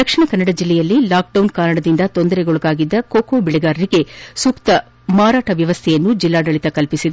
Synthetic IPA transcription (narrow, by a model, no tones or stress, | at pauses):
d̪ɐkʂiɳɐkɐnːɐɽɐd͡ʒilːɛjɐlːilaːk̚ɖɐwnkaːɾɐɽɐd̪ind̪ɐt̪o̞nd̪ɐɾeɡoɭuɡaːɡid̪ːɐkoːkoːbiɭɛɡaːɾɐɾiɡe̞sukt̪ɐ | maːɾaːʈɐʋjɐʋɐst̪ʰɛjɐnːud͡ʒilːaːɖɐɭit̪ɐkɐlpisid̪u